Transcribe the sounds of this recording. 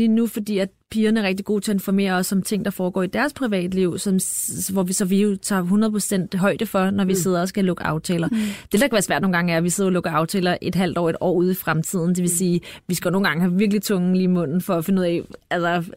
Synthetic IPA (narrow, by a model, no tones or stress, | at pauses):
linufɒ̽d̥ḭːæd̥pʰiːɐnəɐʁeɡ̥̚d̥iɡ̥o̝ːt͡sʰe̝ɐenfɒme̝̰ːɐɒ̽sːɒ̽mt͡sʰe̝ŋ̰d̥ɑ̈fɒːɡ̥ɒ̰ːid̥æɐspʰʁiʋɛ̰ːd̥liʊ̰sɒ̽mʋɒʋisɒ̽ʋiut͡sʰɑ̈ːɦunɐðˠpʰo̥sen̰d̥ɦɒ̽ɪd̥əfɒ̽nɒʋise̝ð̞̰ˠɐɒ̽sɡ̥ælɔ̽ɡ̥əʔɑ̈ʊt͡sʰɛ̰ːlɐd̥e̝d̥ɑkʰæʋæɐsʋæɐ̰d̥noːnŋɡɑ̈ŋəæɐæʋiseðˠɐɒlɔ̽ɡ̥əɑ̈ʊt͡sʰɛ̰ːlɐʔe̝d̥ɦæl̰d̥ɒ̰ːe̝d̥ɒ̰ːuð̞ˠifʁamt͡sʰið̞̰ˠn̩d̥eʋe̝siːʋisɡ̥æjonoːn̩ɡ̥ɑ̈ŋəɦæʋiɐɡ̥əlit͡sʰɔ̽ŋ̩liːmɔ̽n̰n̩fɒ̽æfe̝nəuð̰ˠɛ̰ælsɐ